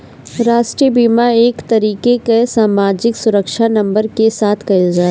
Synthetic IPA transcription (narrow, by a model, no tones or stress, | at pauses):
ɾaːʃʈɾibiːmaeːkt̪ɐɾiːkekesaːmaːd͡ʒɪksʊɾəkʃanɐ̃mbəɾkesaːt̪ʰkɐɪld͡ʒaː